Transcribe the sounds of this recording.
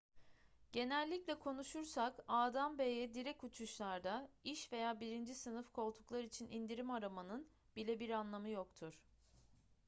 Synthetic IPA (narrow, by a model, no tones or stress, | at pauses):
ɟ̥e̞nɛlʲːiclʲɛkʰo̞nuʃuɾsakaːd̪ambejɛd̪iɾɛkut͡ʃʰuʃlˠaɾd̪aiʃve̞jaːbiɾind͡ʒisɯnɯfkʰo̞lˠt̪ʰu̥klˠaɾit͡ʃʰinind̪iɾimaɾamanɯn | bilʲɛbiɾanlˠamɯjo̞kt̪ʰuɾ̥